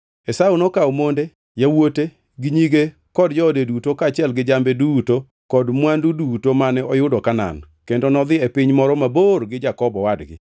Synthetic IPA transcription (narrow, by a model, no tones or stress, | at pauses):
esaunɔkaomonde | jawote | ɡɪɲiɡe | kɔdd͡ʒɔdedutokaːt͡ʃɛlɡɪd͡ʒambeduto | kɔdmwandudutomanɛɔjʊdɔkana̰n | kendonɔd̪ɪepɪɲmɔɾɔmaborɡɪd͡ʒakɔbɔwadɡɪ̰